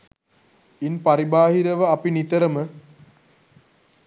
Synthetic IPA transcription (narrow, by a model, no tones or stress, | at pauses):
inpaɾibaːɦiɾəʋəapinit̪əɾəmə